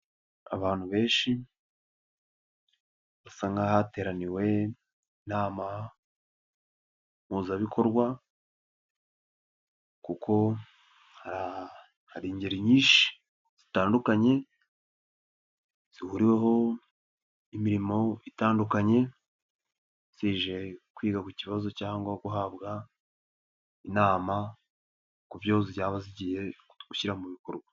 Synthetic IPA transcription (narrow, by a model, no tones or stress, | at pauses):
a̰βaːn̥huβe̞ːnʃi | βasaːŋɡahate̞ːɾaniwe̞ | naːma | muːzaβikʰo̞ɾɡwa | kukʰo̞ | haɾa | haɾiːɲɟeɾiɲiːʃi̥ | z̥itaːndukaɲe̞ | z̥ihuɾiwe̞ɦo̞ | imiɾimo̞itaːndukaɲe̞ | z̥iːʒe̞kwiːɡakuciβazo̞caːŋɡwakuɦaβɡa | inaːma | kubjozijaːβaziɟiːje̞ɡuçiɾamuβiko̞ɾɡwa